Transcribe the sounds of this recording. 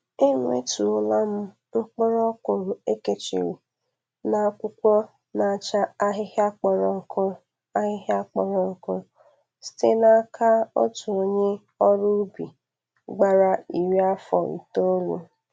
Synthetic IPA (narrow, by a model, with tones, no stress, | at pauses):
ɪ˦ŋʷ˦ḛ˦tu˨˦la˦m̩˦ | ŋ͡m̩˦k͡pʊ˦ɾɔ˦kʷo˨ɾʊ˨e˦ke˨t͡ʃḭ˨wi˨ | na˨˦kʷʊ˦kʷɔ˦ | na˨a˨t͡ʃa˦a˦ɦɪ˦ha˦k͡pɔ˨ɾɔ˨ŋ̩˨kʰʊ˦ | a˦ɦɪ˦ɦa˦k͡pɔ˨ɾɔ˨ŋ̩˨kʊ˦ɾ | si̥˦te˦na˦kʰa˦o̰˦tu˨o˨ɲe˦ | ɔ˦ɾʊ˦bi˨ | ɡ͡ba˦ɾa˦i˨ɾi˦a˦fɔ̰˨n̩̰˨to˦lṵ˦